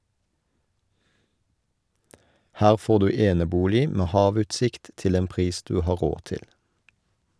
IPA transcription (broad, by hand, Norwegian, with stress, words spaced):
ˈhæːʁ ˈfoːʁ ˈdʉː ˈeːnəˌbuːlɪ ˈmeː ˈhɑːˌʋʉːtˌsɪkt ˈtɪl ˈeːn ˈpʁiːs ˈdʉː ˈhɑː ˈʁoː ˈtɪl